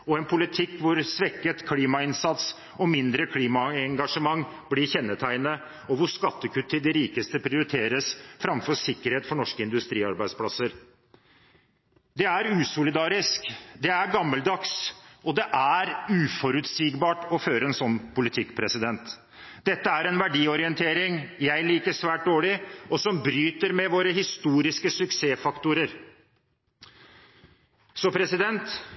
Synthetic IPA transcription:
ɔɛnpʰʊlɪt̪ʰɪkːʋʊɾsʋɛkːət̪kʰliːmɑɪnsɑt̪s | ɔmɪnd̪ɾəkʰliːmɑɛŋɡɑʂəmɑŋːblɪɾçɛnːət̪ʰæɪnə | ɔʋʊʂkɑt̪ːəkʰʉt̪ːɪd̪ɛɾiːkəst̪əpʰɾɪʊɾɪt̪ʰeːɾəsfɾɑmfɔsɪkːəɾheːt̪fɔɳɔʂkəɪnd̪ʉst̪ɾiːɑɾbæɪd̪spʰlɑsəɾ | d̪ɛæɾʉːsʊlɪd̪ɑːɾɪskd̪ɛæɾɡɑmːəld̪ɑksɔd̪ɛʔæɾʉːfɔɾʉt̪siːɡbɑːʈɔføːɾəɛnsɔnːpʊlɪt̪ʰɪkːpʰɾɛsɪd̪ɛnt̪ | d̪ɛt̪ːəæɾɛnʋæɖiːɔɾɪɛnt̪ʰeːɾɪŋjæɪliːkəsʋæːʈ̚d̪oːɭɪɔsɔmbɾyːt̪əɾmɛʋoːɾəɦɪst̪uːɾɪskəsʉkseːfɑkt̪ʊɾəɾ | sɔpʰɾɛsɪd̪ɛnt̪

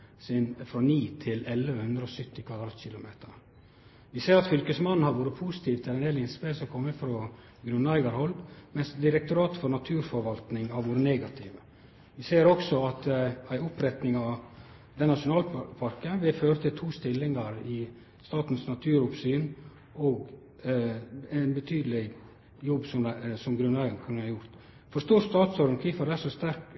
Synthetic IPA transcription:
sɪnfɾɔniːt̪ʰɪlɛlːəəhʉnd̪ɾəɔsʏt̪ːɪkʰʋɑd̪ɾɑːt̪çɪlʊmeːt̪ʰəɾ | ʋɪseːɾɑt̪fʏlkəsmɑnn̩hɑɾʋuːɾəpʰuːsɪ̥t̪ʰiːʋt̪ʰɪlɛneːlɪnspesɔkʰɔmːəfɾɔ | ɡɾʉnæɪɡɑɾhɔlmɛnsd̪ɪɾɛk̚t̪ʊɾɑːt̪fɔɾnɑt̪ʰʉːɾfɔɾʋɑlt̪nɪŋhɑɾʋuːɾəneːɡɑt̪ʰɪːʋə | ʋɪseːɾɔksɔɑt̪æɪʊpɾɛt̪nɪŋɑʋ | d̪ɛnːɑʂʊnɑːlpʰɑɾkəʋɪføːɾət̪ʰɪlt̪ʰuːst̪ɪlːɪŋɑɾɪ | st̪ɑːt̪n̩snɑt̪ʰʉːɾʊpsyːn | ɔːɡ | ænbət̪ʰyːd̪əlɪ | jɔbːsɔmsɔmɡɾʉnæɪɡɑnkʰɑnhɑjʊɾt̪ | fɔʂt̪uːɾst̪ɑːt̪sɔɾnkʰiːfɑd̪æʂɔst̪æɾk

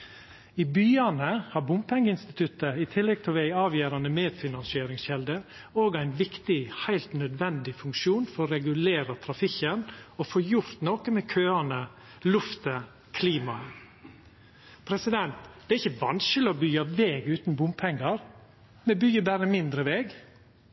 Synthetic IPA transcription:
ɪbyːɑnəhɑɾbʊmpʰɛŋːəɪnst̪ɪt̪ʰʉt̪əɪt̪ʰɪlːɛɡ̚t̪ʰɪlʋæɪɑːʋjæːɾɑnəmeːd̪fɪnɑnsɪeːɾɪŋsçɛld̪əoːɡæɪnʋɪkt̪ɪhæɪlt̪nœd̪ʋɛnd̪ɪfʉŋkʃuːnfɔɾɔɾɛɡʉleːɾət̪ʰɾɑfɪkənɔfoːjʊɾt̪noːkəmɛkʰøːɑnə | lʉft̪ə | kʰliːmɑ | pʰɾɛsɪd̪ɛnt̪d̪̥ɛæɾɪçəʋɑ̰nskəlɪɔbyːɑʋeːɡʉːt̪n̩bʊmpʰɛŋːɑɾ | mɛbyːəbæːɾəmɪnd̪ɾəʋeːɡ

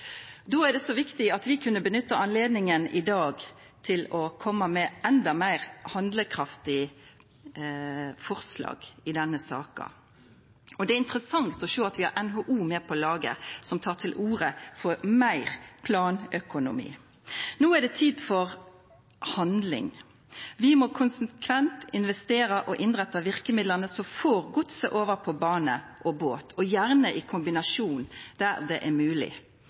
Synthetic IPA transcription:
d̪oːæɖɛsɔʋɪkt̪ɪɑt̪ʋɪkʰʉnːəbənʏt̪ːəɑnleːd̪nɪŋənɪd̪ɑːɡ | t̪ʰɪlɔkʰɔmːɑmɛʔɛnd̪ɑmæɪʁhɑnd̪ləkʰɾɑft̪ɪ | fɔʁslɑ̰ːɡ̥ɪd̪ɛnːəsɑ̰ːkɑ̰ | ɔd̪ɛæɪnt̪ɾəsɑŋt̪ɔʃøːɑt̪ʋɪhɑ̰ɾʔɛnɦoːʔuːmeːpʰɔlɑːɡə̰sɔmt̪ʰɑːʈʰɪlʔuːɾəfɔɾmæɪʁpʰlɑːnœkʊnʊ̰mḭː | noːæɖɛt̪ʰiːd̪fɔʁ | hɑnd̪lɪ̰ŋ | ʋɪmɔkʰʊnsəkʰʋɛnt̪ɪnʋɛst̪eːɾəʔɔʔɪnʁɛt̪ːɑʋɪɾkəmɪd̪lənəsɔfoːʁɡʊt̪səʔoːʋəɾpʰɔbɑːnəʔɔboːt̪ʰɔjæʁnəʔɪkʰʊmbɪnɑʂuːnd̪̥æɾd̪ɛʔɛmʉːlɪ̰

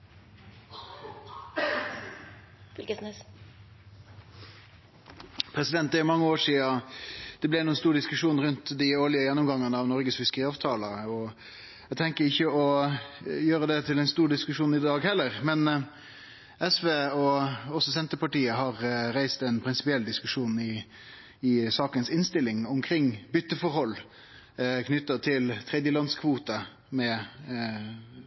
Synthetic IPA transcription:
fɪlkəsnys | pʰɾɛsɪd̪ɛnt̪d̪æmɑŋːəoːʂiːɑd̪̥ɛblæɪnuːənst̪uːɾɖɪskʉʂuːnɾʉnt̪d̪ɪoːlɪəjɛnːʊmɡɑŋːɑnəɑʋnɔɾɡəsfʏskəʁɪɑːʋt̪ʰɑːləɔ | æɡt̪ʰɛŋkəɾɪçːəɔ | jøːɾəd̪ɛt̪ʰɪlæɛɪnst̪uːɾɖ̪ɪskʉʂuːnɪd̪ɑːɡhɛlːəɾmɛn | ɛsʋeːɔɔsːɔsɛnt̪əpɑʈiːəɦɑɾɾæɪst̪ɛnpʰɾɪnsɪ̥pɪɛlːd̪ɪskʉʂuːnɪ | ɪsɑːkənsɪnst̪ɪlːɪŋɔmkʰɾɪŋbʏt̪ːəfɔɾhɔlː | kʰnʏt̪ːət̪ʰɪlt̪ʰɾɛd̪jəlɑnskʰʋuːt̪ə | mɛ

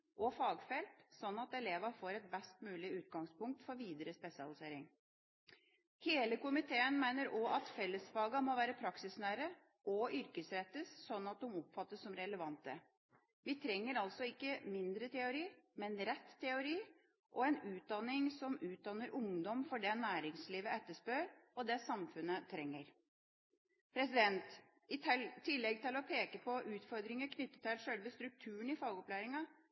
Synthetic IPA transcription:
ʔɔfɑːɡfɛlt̪sɔnːɑt̪ɛleːʋɑfoːɾɛt̪̚bɛst̪mʉːlɪʉːt̪̚ɡɑŋspʊŋk̚t̪fɔɾʋiːd̪əɾəspɛsɑ̰lɪseːɾɪŋ | heːləkʊmɪt̪ʰeːənmæɪnəɾʔɔʔɑt̪fɛlːəsfɑːɡɑmɔʋæːɾəpʰɾɑksɪsnæːɾə | ɔʏɾkəsɾɛt̪ːəsːɔnːɑt̪̚d̪ʊmɔpfɑt̪ːəsːɔmɾɛləʋɑnt̪ə | ʋɪt̪ʰɾɛŋːəɾɑlsɔɪkːəmɪnd̪ɾət̪ʰɛʊɾiːmɛnɾɛt̪ʰːɛʊɾiː | ʔɔɛnʉːt̪̚d̪ɑnɪŋsɔmʉːt̪̚d̪ɑnːəɾʔʊŋd̪ɔmfɔɖɛnæːɾɪŋsliːʋəɛt̪ːəʂpøːɾɔd̪ɛsɑmfʉnːət̪ʰɾɛŋːəɾ | pʰɾɛsɪd̪ɛnt̪ | ɪt̪ʰɛlt̪ʰɪlːɛɡ̚t̪ʰɪlɔpʰeːkəpʰɔʔʉːt̪fɔɾd̪ɾɪŋəɾkʰnʏt̪ːə̥t̪ʰɛlʂœlʋəst̪ɾʉk̚t̪ʰʉːəɳɪfɑːɡɔplæːɾɪŋɑ

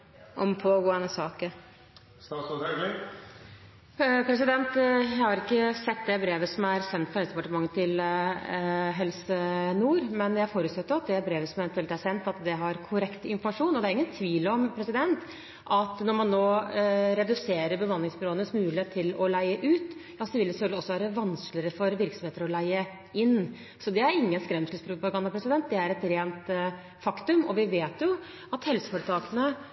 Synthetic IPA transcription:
ʔɔmpʰoːɡoːɛnəsɑːkəɾ | st̪ɑs | pʰɾɛsɪd̪ɛnt̪jæɪhɑɾɪkːəsɛt̪ːd̪ɛbɾeːʋəsɔmæɾsɛnt̪fɑhɛlsd̪ɛpɑʈəmɑŋːət̪ʰɪl | ɦɛlsənuːɾmɛnjæɪfoːɾʉt̪sɛt̪ːəɾɑt̪̚d̪ɛbɾeːʋəsɔmɛʋɛnt̪ʉɛlt̪ːæsɛnt̪ɑt̪d̪ɛɦɑɾkʰʊɾɛkt̪ɪnfɔɾmɑʂuːnɔd̪æɾɪŋːənt̪ʰʋiːlɔmpʰɾɛsɪd̪ɛnt̪ | ʔɑt̪nɔɾmɑnːoːɾɛd̪ʉseːɾəɾbəʋɑnlɪŋsbɪɾoːənəsmʉːlɪheːt̪ʰːɪlɔlæɪəʔʉːt̪jɑsd̪ɛʋɪləsɛfœlɡ̪ɪɔsːɔʋæːɾəʋɑnsklɪəɾəfɔɾʋɪɾksɔmeːt̪əɾɔlæɪə | ɪnː | sɔd̪ɛæɾɪŋːənskɾɛmsəlspʰɾʊpɑɡɑnd̪ɑpɾɛsɪd̪ɛnt̪̚d̪ɛæɾɛt̪ɾeːnt̪ | fɑkt̪ʉmɔ̰ʋɪʋeːt̪jʊ | ɑt̪hɛlsə̥fɔɾət̪ʰɑːkənə

